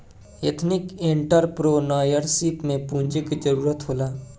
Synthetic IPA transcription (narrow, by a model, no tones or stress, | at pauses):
jḛt̪ʰnɪkẽɳʈəɾpɾoːnaːjəɾsiːpmẽpũːnd͡ʒikid͡ʒəɾuːɾət̪ɦoːlaː